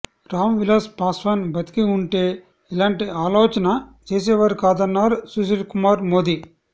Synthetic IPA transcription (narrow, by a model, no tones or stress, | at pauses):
ɾaːmʋilaːspaːsʋɐːnbɐt̪i̥kiuɳʈe̞ː | ilaːɳʈiaːloːt͡ʃɐnɐt͡ʃeːs̬ɛːʋɐɾukaːd̪ɐnːaːɾusus̬iʈkumaːɾmo̞ːd̪i